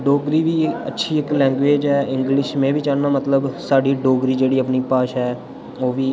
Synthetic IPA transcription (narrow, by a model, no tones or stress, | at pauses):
ɖoːɡɾiːʋiːə̰tːʃʰiːɪklɛ̃ːŋɡʋeːd͡ʒɦɛːɪ̃ŋɡlɪʃmẽːʋiːt͡ʃaːnnːaːmət̪ləbsaːɖiːɖoːɡɾiːd͡ʒeːɽiːəpniːpaːʃɛː | oːʋiː